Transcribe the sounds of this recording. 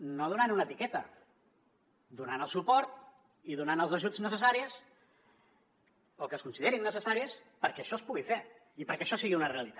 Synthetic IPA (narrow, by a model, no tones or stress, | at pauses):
noðunanunət̪ikɛt̪ə | d̪unanəlˠsupɔɾt̪̚ | iðunanəlˠzəʒud͡znəsəsaɾiəs | okəskunsiðeɾiŋnːəsəsaɾiəs | pəɾkɛːʃɔspuɣife | ipəɾkɛəʃɔsiɣiunəreəlit̪a